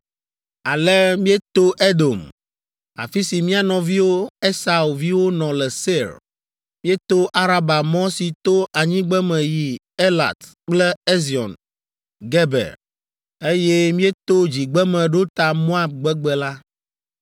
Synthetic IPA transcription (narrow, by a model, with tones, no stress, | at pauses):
a˨lɛ˦mĩ˦e˦t̪o˦ʔe˦d̪o˨m | a̰˨fi˦si˨mĩ˦a˨nɔ̃˨vi˦wo˦e˦sa˨u˨vi˦wo˦nɔ̃˨lɛ˨se˦ɾ | mĩ˦e˦t̪o˦ʔa˦ɾa˦ba˨mɔ̃˦si˨t̪o˦ʔa˨ɲĩ˦ɡ͡bɛ˦mɛ̃˨ji˦ | e˦la̰˨t̪ | k͡plɛ˦e˦zi˨ɔ̰˨n | ɡɛ˦bɛ̰˨ɾ | e˦jɛ˦mĩ˦e˦t̪o˦d͡ʑi˨ɡ͡bɛ˦mɛ̃˨ɖo˦t̪a˨mo˦a˦b̚ɡ͡bɛ˦ɡ͡bɛ˨la˦